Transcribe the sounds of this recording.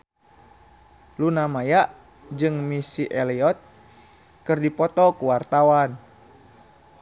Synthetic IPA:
lunamajaʔ | d͡ʒɨŋmisiʔɛlɛɔt̪̚ | kɨrdipɔt̪ɔkuwart̪awan

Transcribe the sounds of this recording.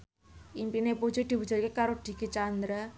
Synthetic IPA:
ʔimpinepu̥d͡ʒud̪̥i̤bud͡ʒə̤rkekaɾoɖ̪̥i̤ɡ̥it͡ʃand̪ɾa

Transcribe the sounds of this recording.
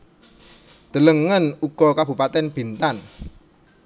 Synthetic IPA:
d̪̥ə̤ləŋːənuɡ̥ɔkab̥ṳpat̪ɛnb̥i̤nt̪an

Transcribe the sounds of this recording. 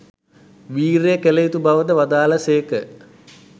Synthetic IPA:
ʋiːɾejkelejit̪ubaʋəd̪əʋad̪aːləsejkə

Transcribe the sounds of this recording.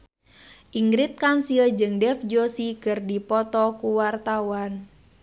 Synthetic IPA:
ʔiŋɡɾit̪̚kansild͡ʒɨŋdɛfd͡ʒosikɨrdipɔt̪ɔkuwart̪awan

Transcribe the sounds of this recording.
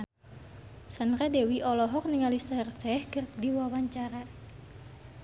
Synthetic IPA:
sanradɛwiʔɔlɔɦɔk̚niŋalisarsɛhkɨrdiwawaɲt͡ʃaɾa

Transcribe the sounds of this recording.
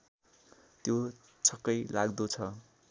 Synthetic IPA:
t̪jo | t͡sʰʌkːʌjlaɡd̪ut͡sʰʌ

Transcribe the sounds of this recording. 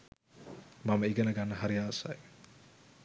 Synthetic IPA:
mɐməiɡɐnəɡanːəɦaɾijaːsa̰j

